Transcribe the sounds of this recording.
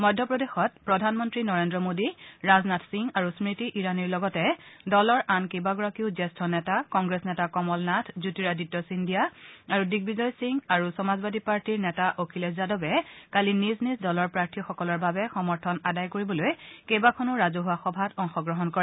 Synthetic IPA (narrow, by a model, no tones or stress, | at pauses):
mɔjdʱːɔpɹodexɔt̚pɹɔdʱanmɔntɹinɔɹendɹɔmodiɹaznatʰsiŋaɹusmɹitiʔiɹaniɹlɔɡɔtɛdɔlɔɹʔankejbaɡɔɹakiʊzɛstʰɔnɛtakɔŋɡɹesnɛtakɔmɔlnatʰzutiɹaditːɔsindijaaɹudiɡ̚bizɔjsiŋɡaɹusɔmazbadʱipaɹtiɹnɛtaʔokʰilɛzadɔbɛkaliniznisdɔlɔɹpɹaɹtʰiɔxɔkɔlɔɹbabɛxɔmɔɹtʰɔnadajkoɹibɔlojkejbakʰɔnʊɹazoɦʊwaxɔbʱatɔŋxɔɡɹɔɦɔnkɔɹɛ